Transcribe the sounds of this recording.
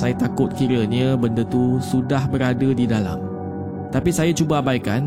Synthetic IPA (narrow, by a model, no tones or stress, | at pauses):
sajat̪akʊt̪̚kiɾəɲə̃bəndət̪usudahbəɾadədidala̰m | t̪apisajat͡ʃubabajka̰n